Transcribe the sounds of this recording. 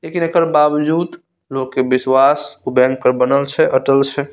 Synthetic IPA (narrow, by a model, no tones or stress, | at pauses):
lekinekəɾbabd͡ʒuːd̪ | lokːebiswasubɛ̃ŋk̚pəɾbənəlt͡ʃʰɛʔəʈəlt͡ʃʰɛ